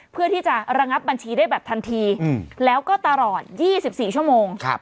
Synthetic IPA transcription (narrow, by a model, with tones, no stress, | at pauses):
pʰɯ˥˩ɐt̪ʰiː˥˩t͡ɕa˨˩ɾa˧ŋa˦˥p̚ba˧nt͡ɕʰiː˧daː˥˩jbɛː˨˩p̚t̪ʰa˧nt̪ʰiː˧lɛː˦˥wkɔː˥˩t̪a˧lɔː˨˩t̪̚jiː˥˩si˨˩p̚siː˨˩t͡ɕʰu˥˩moː˧ŋkʰa̰˦˥p